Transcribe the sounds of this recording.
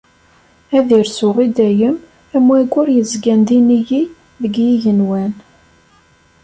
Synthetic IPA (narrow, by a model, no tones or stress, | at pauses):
æðiɾsʊʁid̪æjəm | æmwæɡʊɾjəzɡænd̪iniji | ðəɡjiʝənwæn